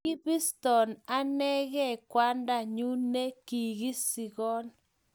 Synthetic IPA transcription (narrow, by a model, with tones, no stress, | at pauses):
i˦bi˦stɔ˨na˦nɛ˦ɣɛ˦˨kwa˦nda˦˨ɲu˦ne˦ki˨ɣi˦si˨ɣɔ˦n